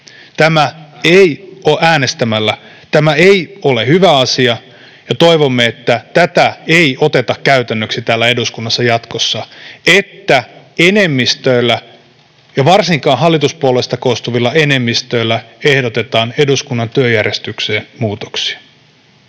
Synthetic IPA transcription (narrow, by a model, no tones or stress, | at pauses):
t̪æmæeijʔoʔæːne̞st̪æmælːæ | t̪æmæeio̞le̞hyʋæɑsiɑ | jɑt̪o̞iʋomːeet̪ːæt̪æt̪æeio̞t̪e̞t̪ɑkkæyt̪ænːøksit̪æːlːæe̞duskunːɑsːɑjɑt̪kosːɑʔet̪ːæ | ene̞mːist̪øilːæ | jɑʋɑrsiŋkɑːnɦɑlːit̪uspuolest̪ɑkoust̪uʋilːɑe̞ne̞mːist̪øilːæehdot̪e̞t̪ɑːne̞duskunːɑnt̪yøjærjest̪ykseːnmuːt̪o̥ksi̥ɑ̥